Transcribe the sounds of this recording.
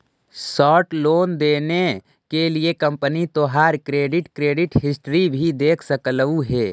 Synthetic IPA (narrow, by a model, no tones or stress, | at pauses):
sɔːʈloːnd̪eːne | keliekə̃mpənit̪oːɦaːɾkɾeːɖɪʈkɾeːɖɪʈɦɪsʈɾibʱid̪eːkʰsəkləuɦɛː